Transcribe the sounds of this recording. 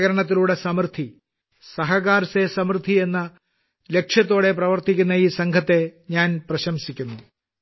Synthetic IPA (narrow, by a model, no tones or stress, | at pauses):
ɣɐɾɐɳɐt̪̬ːiluːɽe̞sɐmrd̪ʰʱi | sɐɦɐɣaːɾɐsesɐmrd̪ʱie̞nːɐ | le̞kʂjɐt̪̬ːo̞ːɽe̞prɐʋɐrt̪ikʲːunːɐiːsɐŋkʰɐt̪ːe̞ɲaːnprɐɕɐmsikʲːunːu